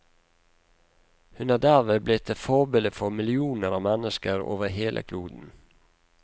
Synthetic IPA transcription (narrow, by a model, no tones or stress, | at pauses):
hʉnɑːd̪æʁʋeːblɪt̪ʰefɔbeːləfɔmɪlɪuːnəɾɑːʋmɛnəskəɾo̰ːʋəheːlʔə̰kʰluːd̪n̩